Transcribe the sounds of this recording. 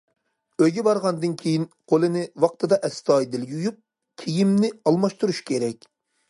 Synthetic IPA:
øjɡʲɛbɑɾʁɑnd̪ɨnkʲʰejinqʰolˠɨnɪwɑq̚t̪ʰɨd̪ɑʔɛst̪ɑjd̪ɪljujup̚ | kʲʰijimnɪɑlˠmɑʃt̪uɾuʃkʲʰeɾɛkʲ

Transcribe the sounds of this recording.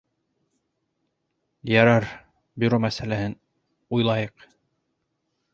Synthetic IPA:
jɑɾɑɾ | bɵ̆ɾomæsælæhɘn | ujlˠɑjɤq

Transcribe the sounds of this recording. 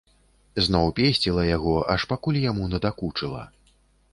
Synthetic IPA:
znɔwpʲesʲt͡sʲilˠɐjaɣɔʔɐʂpakulʲjamunɐd̪akut͡ʂɨlˠɐ̰

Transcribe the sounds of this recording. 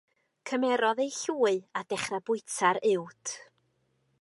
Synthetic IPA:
kʰəmɛɾɔðejɬuːɨad̥ɛχrabʊɨtʰaɾɪwtʰ

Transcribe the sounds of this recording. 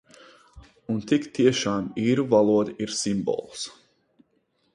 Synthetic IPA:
unt̪ikt̪iɛʃaːmiːɾuvalˠuɔd̪iɾsimbɔ̰lˠs

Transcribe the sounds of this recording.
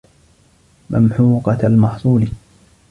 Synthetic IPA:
mʔamħuːqɑalmɑħsˤuːlɪ

